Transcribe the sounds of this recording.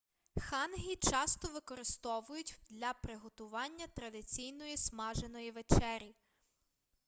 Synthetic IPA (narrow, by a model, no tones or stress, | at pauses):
xɑnɦʲit͡ʃɑst̪ɔʋɪkɔɾɪst̪ɔʋʊjʊtʲd̪lʲɐpɾɪɦɔt̪ʊʋɑnʲːɐt̪ɾɐd̪ɪt͡sʲijnɔjismɑʒenɔjiʋet͡ʃɛɾʲi